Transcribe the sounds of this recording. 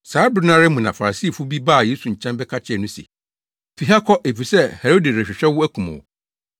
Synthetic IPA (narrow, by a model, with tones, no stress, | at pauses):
saː˨˦bɾɪ˦nã˦ɾɪ˦mũ˨nã˨fa˨a˨siː˦˨fu˦bi˦baː˦˨je˦su˨ɲ̩˨t͡ɕʰɛ̃˦mbɛ˦kʰa˦t͡ɕʰɪ˦ɛ˨nʊ̃˦sḭ˨ | fi˨ɦa˦kʰɔ˦ʔe˨fi˨sɛ˦hɛ˨ɾo˦di˨ɾɛ˨ɕᶣɪ˨ɕᶣɛ˦wʊ˦æ˦kʰũ˨mã̰˨w̰